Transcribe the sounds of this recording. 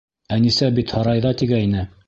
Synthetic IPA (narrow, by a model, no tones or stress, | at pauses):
ænisæbit̪hɑɾɑjðɑt̪iɡæinɘ